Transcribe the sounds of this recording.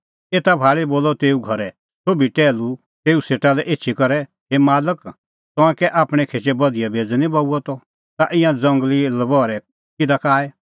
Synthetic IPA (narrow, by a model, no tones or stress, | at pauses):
eːt̪abʱaːɭiboːlɔt̪eːuɡʱɐɾɛ | t̪oːbiʈɛːlu | t̪eːuseːʈalɛʔeːtːt͡ʃʰikɐɾɛ | ɦemaːlək | t̪ɔ̃ãkɛʔaːpɽ̃ɛkʰeːt͡ʃɛbɐd̪ijabʱeːd͡znĩbauɔt̪ɔ | t̪aʔɪ̃jãd͡zɐ̃ŋɡlilɐbɔːɾɛ | kɪd̪akaːɛ